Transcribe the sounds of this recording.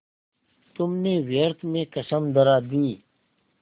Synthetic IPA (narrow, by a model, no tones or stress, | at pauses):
t̪umneːweːɾt̪mẽkɐsəmd̪ɐɾaːd̪ĩː